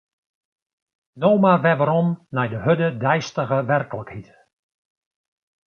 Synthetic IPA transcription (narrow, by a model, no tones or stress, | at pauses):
nowmarʋɛʋəɾɔnːɛjdəɦødədɛjstəɣəʋɛrkələkhit